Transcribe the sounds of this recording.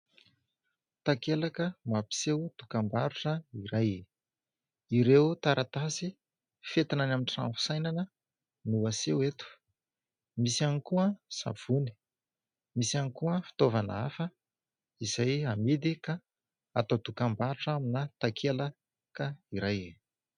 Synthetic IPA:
t̪akelakəmapi̥sewd̪̥ukambaɾuʈ͡ʂəiɾaj | iɾewt̪aɾʔat̪asi | fet̪inanamiʈ͡ʂa̰mpu̥sajnanə | nuasewet̪u̥ | misianikuəsa̰v̥uni̥ | misianikuəfi̥t̪ovana̰afə | iz̥ajamid̪ika | at̪od̪ukambaɾuʈ͡ʂaminət̪akʰela | kəiɾaje

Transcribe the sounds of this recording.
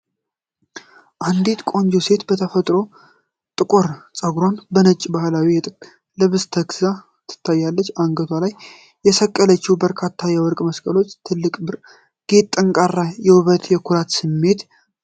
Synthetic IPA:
ʔand̪it̪kʼo̞ɲd͡ʒuse̞t̪bət̪ʰəfət̪ʼɾo̞ | t̪ʼɨkʼoɾt͡sʼəɡɾonbənət͡ʃʼːibahlawijɛt̪ʼɨkʼ | lɨβɨst̪ʰəɡza | t̪ʰɨ̥t̪ʰːajːalːət͡ʃːaŋɡət̪ʰalajː | ɛsəkʼːələt͡ʃːɪhubəɾkʰat̪ʰːajɛwɔɾkʼməskʼəlo̞t͡ʃːt̪ʰɨlːɨkʼbɨ | ɡ̥et̪ʼːɨŋkʼarːajɛhuβət̪jɛkʰuɾat̪sɨmːe̞t̪

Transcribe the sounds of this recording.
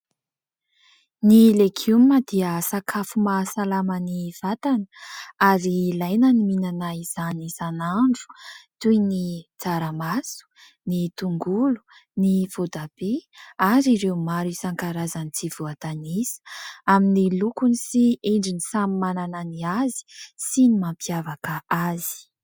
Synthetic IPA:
nilekʰumːəd̪̥iəsakʰafumasalamaniv̥at̪anə̥aɾilajnəniminanaiz̥anisanaɳɖ͡ʐu̥t̪ujnit͡saɾamasu̥ | nit̪uŋɡulu̥niv̥od̪abeaɾiɾewmaɾisaŋkaɾazanit͡siv̥oat̪anisə̥aminilukunisieɳɖ͡ʐinisamimanananiazi̥sinimampiavakəazi̥

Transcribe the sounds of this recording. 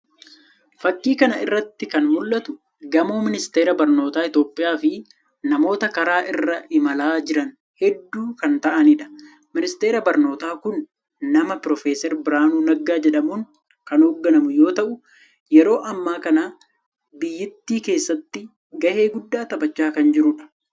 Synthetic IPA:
fɐkːiːkɐnɐɪrːɐt̪ːɪkɐnmʊlːɐt̪ʊ | ɡɐmoːmɪnɪst̪eːɾɐbɐɾno̞ːt̪aːɪt̪jo̞ːpʼːɪjaːfɪ | nɐmo̞ːt̪ɐkɐɾaːʔɪrːɐʔɪmɐlaːd͡ʒɪɾɐn | hɛd̪ːuːkɐnt̪ɐʔɐnɪᶑɐ̥ | mɪnɪst̪e̞ːɾɐbɐɾno̞ːt̪aːkʊnː | ɐmɐpɾɔfeːsɛɾbɪɾaːnuːnɐɡːaːd͡ʒɛᶑɐmuːŋ | kɐnoːɡːɐnɐmʊjo̞ːt̪ɐʔʊ | jɛɾo̞ːʔɐmːaːkɐnaː | bɪjːɪt̪ːiːke̞ːsːɐt̪ːɪ | ɡɐheːɡʊd̪ːaːt̪ɐbɐt͡ʃːaːkɐnd͡ʒɪɾʊᶑɐ̥

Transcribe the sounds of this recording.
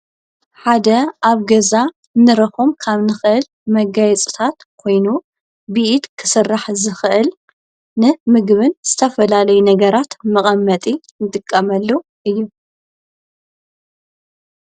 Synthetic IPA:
ħad̪ɐaβɡɐza | nɨɾɐxomkʰaβnɨxɨʔɨl | mɐɡajɛt͡sʼɨ̥t̪ʰat̪kʰo̞jnu | biʔit̪kʰɨ̥sɨrːaħzɨxʔɨl | nɨmɨɡβɨnz̥ɨt̪ʰɐfɐlalɐjunɐɡɐɾat̪mɐχʼɐmːɐt̪ʼi | nɨt̪ʼɨkʼːɐmɐlːɐ | ʔɨjːu

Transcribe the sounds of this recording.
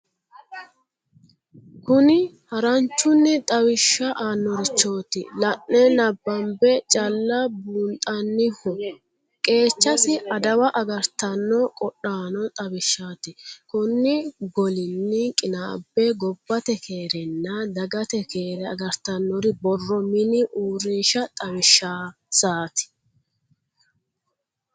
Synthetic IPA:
kʊnɪ | hɐɾɐnt͡ʃːʊnːɪt̪ʼɐwɪʃːɐʔaːnːɔɾɪt͡ʃːo̞ːt̪ɪ̰lɐnːɛnɐbːɐmbɛt͡ʃʼɐlːɐbuːnt̪ʼɐnːɪhɔ | kʼe̞ːt͡ʃːɐsɪɐd̪ɐwɐʔɐɡɐɾt̪ɐnːɔkʼɔɗaːnɔt̪ʼɐwɪʃːaːt̪ɪkʊnːɪɡɔlɪnːɪkʼɪnaːbːɛɡɔbːɐt̪ɛkʰeːɾɛnːɐd̪ɐɡɐt̪ɛkeːɾɛɐɡɐɾt̪ɐnːɔɾɪbɔrːɔmɪnɪʔuːɾiːʃɐt̪ʼɐbɪʃːa | saːt̪ɪ̥

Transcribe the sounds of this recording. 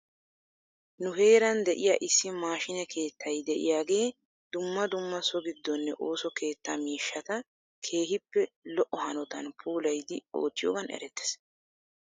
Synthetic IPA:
nʊɦe̞ːɾɐnd̪ɛʔɪjaʔɪsːɪmaːʃɪnɛkʰe̞ːt̪ːɐjd̪ɛʔɪ̰jaːɡe̞ː | d̪̥ʊmːɐd̪ʊmːɐsɔɡɪd̪ːɔnːɛʔo̞ːsɔke̞ːt̪ːɐmiːʃːɐt̪ɐ | kʰe̞ːɦɪpːɛlɔʔːɔhɐnɔt̪ɐnpʰuːlɐjd̪ɪo̞̰ːt̪ːɪjoːɡɐnɛ̰ɾɛt̪ːɛ̥s

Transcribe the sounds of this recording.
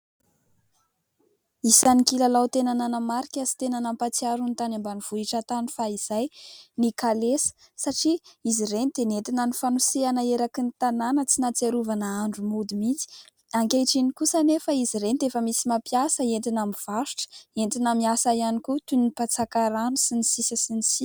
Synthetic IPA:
isanikilalawt̪enananəmaɾikʲazi̥t̪enanampat͡siaɾunt̪anambaniv̥uiʈ͡ʂat̪ani̥faiz̥ajnikalesə̥ | saʈ͡ʂiiziɾenit̪enet̪inanifanuseanəeɾakinit̪ananət͡sinat͡seɾuvanaaɳɖ͡ʐumud̪imit͡si̥ | aŋkeʈ͡ʂinikusanefaiziɾenit̪efəmisimapjasəent̪inamiv̥aʃi̥ʈ͡ʂə̥ent̪inamiasajanikut̪unipat͡sakaɾanusinisisəsinisi

